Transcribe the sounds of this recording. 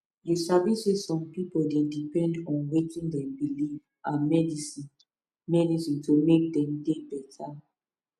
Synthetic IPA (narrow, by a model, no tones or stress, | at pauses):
jusavisizsɔ̃mpipoldedipɛ̃ndɔ̃nwetĩŋdɛ̃mbiliv | ʔamɛdisĩn | mɛdisĩntʰumek̚dɛ̃mdebɛtʰa